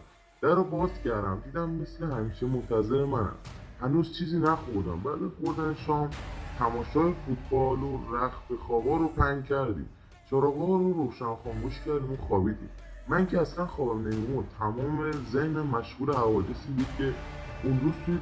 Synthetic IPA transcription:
d̪̥æɾobɒːzcʰæɾd̪æ̰md̪iːd̪æmːe̞slehæmiːʃemont̪ʰæzeɾemænæ̰mhænuːzt͡ʃʰiːziːnæxoɾd̪æ̰mbæɾbeoɾd̪ænʃɒːmt̪ʰæmɒːʃɒːefut̪̚ʰbɒːloɾæxfexɒːbɒːɾopʰæŋcʰæɾd̪ḭː | t͡ʃʰɒːɾɒːɡɒɾoɾoːʃænxɒːŋɡoʃcʰæɾd̪imuxɒːbiːd̪ḭm | mæcʰeæslænxɒːbæmnemimut̪ʰæmɒːmezehnemæʃɣuːlehævɒːd̪e̞siːbuːd̪̥̚cʰeunɾuːzt̪ʰu

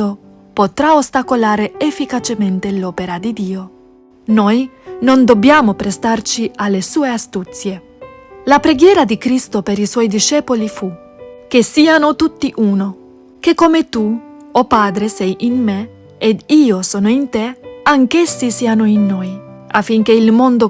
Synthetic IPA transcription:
o | pot̪ɾaost̪akolaːɾeefːikat͡ʃement̪elɔːpeɾad̪id̪iːo | nojnond̪obːjaːmopɾest̪art͡ʃialːesuːeast̪ut̪sje | lapɾeɡjɛːɾad̪ikɾist̪opeɾiswɔjd̪iʃɛːpolifu | k̟esiːanot̪ut̪ːiʔuːno | k̟ekːomet̪u | opaːd̪ɾesɛjʔinme | ed̪iːosɔːnoint̪eaŋk̟esːisiːanoinːojafːiŋk̟eilmond̪o

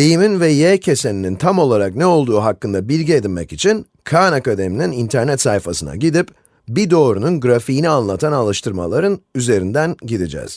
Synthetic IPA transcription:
ejiminvɛjeːcʰe̞se̞ninint̪ʰamo̞lˠaɾaknɛo̞lˠd̪uːɦakːɯnd̪abilʲɟied̪inʲmɛcit͡ʃʰin | kʰanakad̪e̞mininint̪ʰæɾnɛt̪sajfasɯna̰ɟid̪ip | bid̪o̞ːɾununɡɾafiːnianlˠat̪ʰanalˠɯʃt̪ʰɯɾma̰lˠaɾɯnyze̞ɾind̪ænɟid̪id͡ʒɛ̰z̥

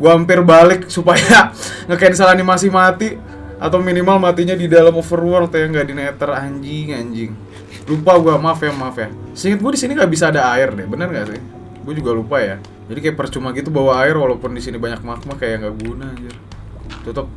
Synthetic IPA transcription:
ɡuaampɪrbalɪk̚supaja | ŋəkaɪns̬alanimas̬ɪhmat̪i | a̰t̪awminimalmat̪iɲadidalamofərwɔrt̪ujaŋɡadinɛt̪əraɲd͡ʒɪŋaɲd͡ʒɪŋ | lupaɡuamafjahmafjasəiŋət̪̚ɡuadisiniŋɡaʔbis̬aːdaːɪrdɛbənərŋɡasɪh | ɡuad͡ʒuɡalupaja | d͡ʒadikajaʔpərt͡ʃumaɡit̪ubawaːɪrwalawpʊndisinibaɲak̚mak̚makajaŋɡaʔɡunaːd͡ʒər | t̪ət̪əp̚

